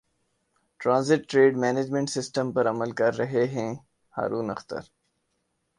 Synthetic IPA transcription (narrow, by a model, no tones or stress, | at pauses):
ʈɾãːnzɪʈːɾeːɖmɛːneːd͡ʒmẽɳʈsɪsʈəmpɐɾɐməlkɐɾːɐɦeɦɛ̃ | ha̰ːɾuːnɐxt̪ə̰ɾ